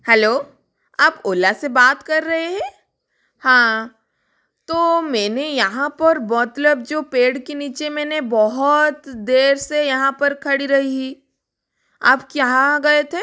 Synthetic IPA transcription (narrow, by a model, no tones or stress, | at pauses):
hɛloː | aːpoːlasebaːt̪kɐɾːɐɦeɦɛ̃ː | hãː | t̪oːmɛːnejɐɦãpɐɾmɔt̪ləb̚d͡ʒoːpeːɽkeniːt͡ʃemɛːnebɔɦɔt̪d̪eːɾsejɐɦãpɐɾkʰɐɽiɾɐɦii | aːpkjaːɡɐet̪ʰeː